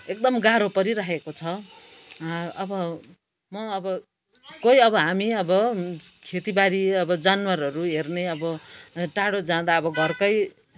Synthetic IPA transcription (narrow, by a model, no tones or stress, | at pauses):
ek̚d̪ʌmɡaɾopʌɾiɾʌɦekot͡sʰʌ | ʌbʌ | mʌːbʌ | kojʌbʌɦamiʌbʌkʰet̪ibaɾiʌbʌd͡zanwarɦʌɾuɦerneʌbʌʈaɽod͡zãd̪aʌbʌɡʱʌrkʌj